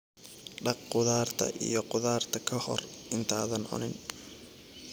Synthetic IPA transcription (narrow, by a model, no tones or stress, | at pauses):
ɖɑq̚qʊðaːrt̪ʰɐ̰ʔḭjɞqʊðaːrt̪ʰɐkʰɐhɔ̰rɪnt̪ʰaːðɐnʊ̰nɪn